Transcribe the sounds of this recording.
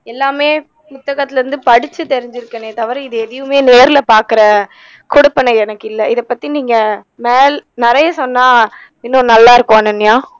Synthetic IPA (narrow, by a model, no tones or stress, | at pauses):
ɛlːaːmeː | pʊt̪ːɐɣɐt̪ːɪlɐɾɯnd̪ɯpɐɽɪt͡ʃːɯt̪ɛɾɪɲd͡ʒɪɾɯkːɐneːt̪ɐʋɐɾɪðɯɛðɐjɯmeːneːɾɪlɐpaːɾkɪɾɐ | kɔɽʊpːɐnɐɪɛnɐkːɪlːɐɪðɐpːɐt̪ːiniːŋɡɐ | meːlnɪɾɐjɐsɔnːaː | ɪnːõːnɐlːaːɪɾɯkːõɐnɐnːɪjaː